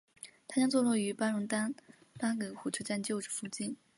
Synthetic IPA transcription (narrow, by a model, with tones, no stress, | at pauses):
t̪ʰa˥t͡ɕjɑ˥ŋt͡swɔ˥˧lwɔ˥˩y˧˥pa˥nɻʊ˧˥ŋt̪a˥n | pa˥kɤ˧˥˩xu˨˩t͡ɕʰt͡ɕa˥˧nt͡ɕjo˥˧ʊʈ͡ʂɻ̩˥˩fu˥˩t͡ɕi˥˩n